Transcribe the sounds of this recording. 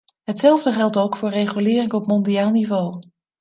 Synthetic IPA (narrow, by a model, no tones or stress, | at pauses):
ɦətsɛlˠvdəχɛlˠtowkfʊːɹrejχylɪːrɪŋɔpmɔndiaːlˠnivow